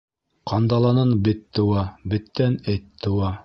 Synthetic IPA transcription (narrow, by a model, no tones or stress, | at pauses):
qɑnd̪ɑlˠɑnɤnbɘt̪ːɤ̆wɑbɘ̆t̪ːænɘt̪ːɤ̆wɑ